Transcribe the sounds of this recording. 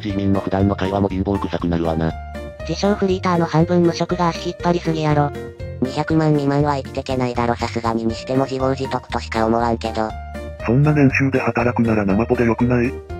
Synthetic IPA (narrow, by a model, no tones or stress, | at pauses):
ɕimʲĩnːokɯ̟d̪ãnːo̞kaiβamo̞ɾʲĩmboŋkɯ̟sakɯ̟naɾɯ̟βana | d͡ʑiɕoːɸɯ̟ɾʲiːt̪aːno̞hãmbɯ̟̃nːo̟ɕo̞kɯ̟ɡaɕipːaɾʲisɨɡijaɾo | ɲ̟içakɯ̟mãɲ̟ːĩmaɾβait̪ʲi̥t̪e̞ke̞naid̪aɾo̞sasɨɡaɲ̟imiɕi̥t̪e̞mo̞ʑiβoːʑit̪okɯ̟̥t̪o̞ɕi̥k̪aomoβaɯ̟ke̞d̪o̞ | sõ̞nːanẽ̞ɰ̃ɕɨːd̪e̞hat̪aɾakɯ̟naɾanamap̪o̞d̪ejo̞kɯ̟nai